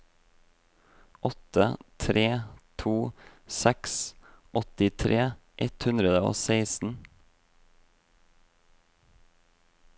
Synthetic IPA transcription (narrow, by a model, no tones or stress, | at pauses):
ʔɔt̪ət̪ʰɾʔeːt̪ʰuːsɛks | ʔɔt̪ɪt̪ʰɾʔeːʔɛt̪hʉnd̪ɾəd̪əo̰ːseɪsn̩